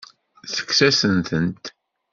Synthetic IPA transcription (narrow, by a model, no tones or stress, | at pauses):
θə̥kːsæsənθənt̪